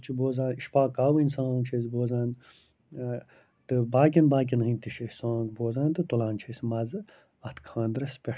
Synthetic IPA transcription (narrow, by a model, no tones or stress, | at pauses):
t͡ʃʰiboːzãːniʃpaːkaːwinsãːŋt͡ʃʰezboːzãːn | t̪ɨbaːk̬ʲinbaːk̬inɦɨ̃nʲt̪iʃʰesãːŋɡboːzãːnt̪ɨt̪ulãːnt͡ʃʰesmɐzɨ | ɐt̪ʰkʰãːnd̪ɾɐspʲe